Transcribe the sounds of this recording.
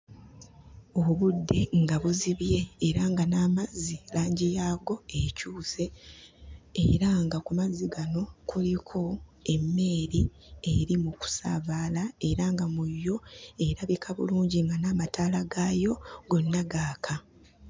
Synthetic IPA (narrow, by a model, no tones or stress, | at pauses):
oβudːe̞ŋɡaβuziβje̞ːɾaŋɡanaːmazilaːɲɟijaːɡo̞ecuːse̞ː | ɾaŋɡakumazːiɡano̞kulikʰo̞e̞mːe̞ːɾi | eɾimuku̥sa̰ːβaːlae̞ɾaŋɡamujːo̞e̞ɾaβikʰaβṵluːɲɟiŋɡanaːmatʰaːlaɡaːjo̞ɡo̞nːaɡaːkʰa